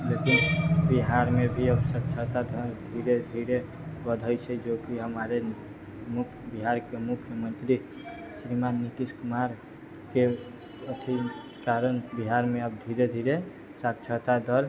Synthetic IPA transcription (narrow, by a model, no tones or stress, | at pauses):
d͡ʒət̪ibiɦaɾmebʱiəbsəkt͡ʃʰət̪ad̪ʱəɾd̪ʱiɾed̪ʱiɾe | bəd̪ʱəjt͡ʃʰɛd͡ʒokiɦəmaɾe | mukʰjbiɦaɾkemukʰjəmənt̪ɾi | sɾimanːit̪iskumaɾ | ke | ət̪ʰi | kaɾənbiɦaɾmeəb̚d̪ʱiɾed̪ʱiɾe | səkt͡ʃʰət̪ad̪ʱəɾ